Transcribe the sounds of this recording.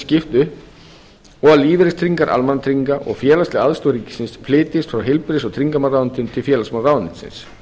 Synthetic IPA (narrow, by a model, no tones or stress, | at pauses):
scɪft̪ʏ | ɔɣaliːvɪɾɪst̪ʰɾiŋkaɾʔa̰lmanːat̪ʰɾiŋkaʔɔ̰ɣfjɛːlast̪ɪaðst̪owɾiːcɪ̥sɪnspʰlɪːt̪ɪst̪fɾawɦɪlpɪɾɪsɔɣt̪ʰɾiŋkamaɾrawnt̪ɪnt̪ʰɪlfjɛːlasmarawnɪnsɪ̰ns